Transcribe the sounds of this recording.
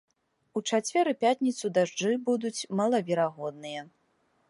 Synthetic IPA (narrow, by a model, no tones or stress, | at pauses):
ut͡ʂat͡sʲvʲɛɾɨpʲat̪ʲnʲit̪sud̪aʐd͡ʐɨbud̪ut͡sʲmɐlˠɐvʲɛɾaɣɔd̪nɨjɐ